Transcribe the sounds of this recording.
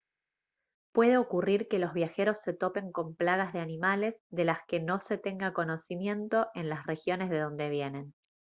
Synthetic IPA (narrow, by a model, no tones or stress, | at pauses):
pwe̞ð̞eo̞kuriɾke̞lo̞zβ̞jaxe̞ɾo̞sːe̞t̪o̞pe̞ŋko̞mplaɣazðe̞animale̞zðe̞laske̞no̞se̞t̪e̞ŋɡako̞no̞simje̞nt̪o̞ʔe̞nlasre̞xjo̞nezðe̞ðo̞nd̪e̞βje̞ne̞n